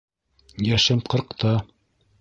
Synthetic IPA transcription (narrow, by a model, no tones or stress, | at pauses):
jæʃɘmqɤ̆ɾqt̪ɑ